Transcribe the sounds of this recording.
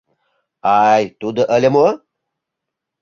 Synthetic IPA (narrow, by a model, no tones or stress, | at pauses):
ajt̪ud̪əʔəlʲemo